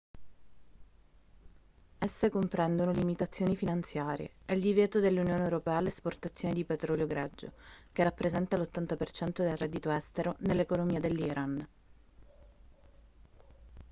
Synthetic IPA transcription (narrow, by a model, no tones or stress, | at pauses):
ɛsːekompɾɛnd̪onolimit̪at̪sːjoːnifinant̪sjaːɾjḛɛld̪ivjɛːt̪od̪elːunjoːnewɾopɛːalesport̪at̪sːjoːned̪ipet̪ɾɔljoɡɾɛd͡ʒːo̰kerːapːɾezɛnt̪alot̪ːant̪apert͡ʃɛnt̪od̪elrɛd̪ːit̪oɛst̪eɾonelːekolomiːad̪elːiɾʔan